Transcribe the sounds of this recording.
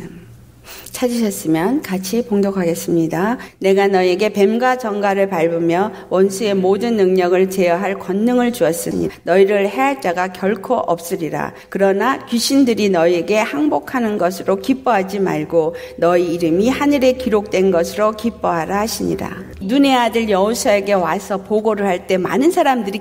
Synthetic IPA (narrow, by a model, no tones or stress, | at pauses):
t͡ɕʰad͡ʑiɕʰʌs͈ɯmjʌnkat͡ɕʰipoŋdokʰaɡe̞s͈ɯmɲidane̞ɡanʌieɡe̞pe̞mɡat͡ɕʌŋɡaɾɯɭpaɭbɯmjʌ | wʌnsʰue̞modɯnːɯŋɲʌɡɯɭt͡ɕe̞jʌɦaɭkwʌnːɯŋɯɭt͡ɕuʌs͈ɯmɲḭnʌiɾɯɭhe̞ɦaɭt͡ɕ͈aɡakjʌɭkʰoʔʌp̚s͈ɯɾiɾa̰ | kɯɾʌnakɥiɕʰindɯɾinʌie̞ɡe̞haŋbokʰanɯnɡʌsʰɯɾokip͈oɦad͡ʑima̰ɭɡonʌiːɾɯmihanɯɾe̞kiɾok̚t͈we̞nɡʌsʰɯɾokip͈ʌɦaɾaɦaɕʰiɲḭɾa̰ | nune̞adɯɭjʌosʰʌe̞ɡe̞wasʰʌpoɡoɾɯɭɦaɭt͈e̞ma̰nɯnsʰaɾamdɯɾi